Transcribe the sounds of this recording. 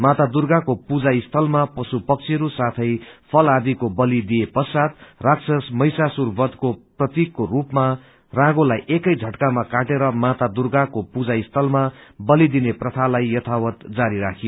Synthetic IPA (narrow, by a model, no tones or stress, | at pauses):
mat̪ad̪urɡakopud͡zaist̪ʰʌlmapʌsupʌk̚t͡sʰiɾusat̪ʰʌjpʰʌlad̪ikobʌlid̪ijepʌsat̪raksʌsmʌjsasurbʌd̪koprʌt̪ikːorupma | rãɡolajʔekʌjd͡zʱʌʈkamakaʈeɾʌmat̪ad̪urɡakopud͡zaist̪ʰʌlmabʌlid̪ineprʌt̪ʰalajjʌt̪ʰawʌt̪d͡zaɾiɾakʰijo